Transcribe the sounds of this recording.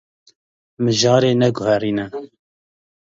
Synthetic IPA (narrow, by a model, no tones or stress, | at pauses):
mɨʒɑːɾeːnɛɡʊhɛɾiːnɛ